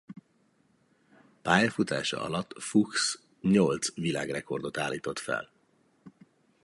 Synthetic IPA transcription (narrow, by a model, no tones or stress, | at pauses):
paːjɒfut̪a̰ːʃɒ̰ʔɒ̰lɒt̪ːfuks | ɲolt̪svila̰ːɡrɛko̞rd̪o̞t̪aːlːiːt̪o̞t̪fɛ̰l